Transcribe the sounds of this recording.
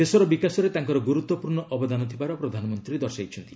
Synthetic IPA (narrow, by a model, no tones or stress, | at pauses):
d̪esɔɾɔbikasɔɾet̪aŋkɔɾɔɡuɾut̪wɔpuɾɳɔʔɔbɔd̪anɔt̪ʰibaɾɔpɾɔd̪ʱanɔmɔnt̪ɾid̪ɔɾsajt͡ʃʰɔnt̪i